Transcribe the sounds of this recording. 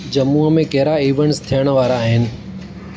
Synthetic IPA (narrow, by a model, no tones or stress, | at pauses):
d͡ʑɐmuːəmẽkɐɦɾaiːʋəɳ̃st̪ʰijəɽ̃ʋaːɾaːɦɪnɪ̆